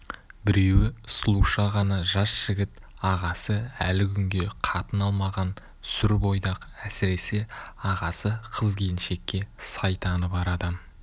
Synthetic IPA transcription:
bɪɾe̞wɪslˠuʃɑʁɑnɑʒɑsʒ̥ɪɡʲɪt̪ | ɑʁɑsəælɪkʲʰʏŋɡʲe̞qʰɑt̪ənɑlˠmɑʁɑn | sʏɾbo̞jd̪ɑqæsɪɾe̞se̞ɑʁɑsəqʰəzɡʲejɪnʃe̞kʲːe̞sɑjt̪ɑnəbɑɾɑd̪ə

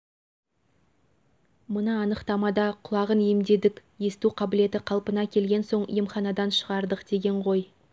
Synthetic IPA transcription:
mənəːnəqt̪ɑmɑd̪ɑqʰʊlˠɑʁənemd̪e̞d̪ɪkʲje̞st̪uqʰɑbɪle̞t̪ɪqʰɑlˠpənɑkʲʰe̞lɡʲe̞nso̞ɴḭjəmχɑnɑd̪ɑnʃəʁɑɾd̪əqd̪̥e̞ɡʲe̞ɴʁo̞j

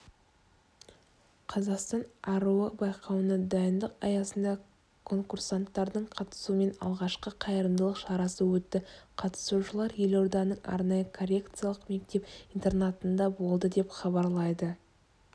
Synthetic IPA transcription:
qʰɑzɑqst̪ɑnɑɾuəbɑjqʰɑwənəd̪ɑjənd̪əqɑ̰jɑsənd̪ɑ | kʰo̞ŋkursant̪ːɑɾd̪əɴqʰɑt̪ə̥sume̞nɑ̰lˠʁɑʃqəqʰɑjəɾəmd̪əlˠəqʃɑɾɑsəwɵt̪ːɪqʰɑt̪ə̥suʃəlˠɑɾje̞lo̞rd̪ɑnəɴʔɑ̰ɾnɑjəkʰorʲe̞kt̪sɨjalˠəqme̞k̚t̪e̞pijnt̪e̞ɾnat̪ənd̪ɑbo̞lˠd̪əd̪e̞pχɑbɑɾlˠɑjd̪ə

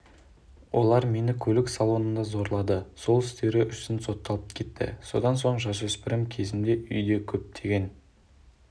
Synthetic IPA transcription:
wʔo̞̰lˠɑɾme̞nɪkʲʰɵlɪksɑlˠo̞nənd̪ɑzo̞ɾlˠɑd̪əso̞lˠɪst̪e̞ɾɪʔʏsɪnso̞t̪ːɑlˠəp̚kʲʰe̞t̪ːɪ̰so̞̰d̪ɑnso̞ɴʒɑsɵspɪɾɪmkʲʰe̞zɪmd̪e̞ʔʏjd̪e̞kʲʰɵp̚d̪ʰe̞ɡʲe̞n

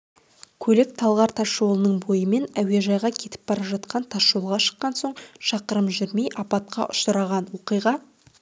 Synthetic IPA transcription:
kʲʰɵlɪk̚t̪ʰɑlˠʁɑɾt̪ʰɑʃo̞lˠənəɴbo̞jəme̞næwe̞ʒɑjʁɑkʲʰe̞t̪ɪ̥p̚b̥ɑɾɑʒɑt̪̚qɑnt̪ʰɑʃolˠʁɑʃə̥qːɑnso̞ɴʃɑqəɾəmʒʏɾme̞jʔɑpɑt̪̚qɑ̰ʔʊʃəɾɑʁɑnwo̞qijʁɑ

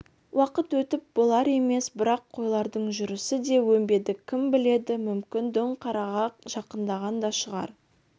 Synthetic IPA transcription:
wɑqət̪wɵt̪ɪp̚bo̞lˠɑɾe̞me̞sbɪɾɑqʰːo̞jlˠɑɾd̪əɴʒʏɾɪsɪd̪e̞wɵmbe̞d̪ɪkʲʰɪmbɪle̞d̪ɪmʏmkʲɪnd̪ʏɴqʰɑɾɑʁɑqʒ̥ɑqənd̪ɑʁɑnd̪ɑʃəʁɑ̰ɾ

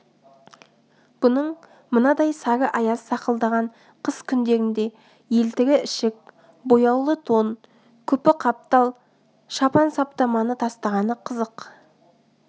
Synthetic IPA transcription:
b̥ʊnəɴ | mənɑd̪ɑjsɑɾəʔɑjɑsə̥sɑqəlˠd̪ɑʁɑɴ | qʰəskʲʰʏnd̪e̞ɾɪnd̪e̞ | je̞lt̪ɪɡʲɪɪʃɪk̚ | bo̞jɑwlˠət̪ʰon | kʲʰɵpɪqʰɑp̚t̪ɑlˠ | ʃɑpɑnsɑp̚t̪ɑmɑnət̪ʰɑst̪ɑʁɑnəqʰəzəq

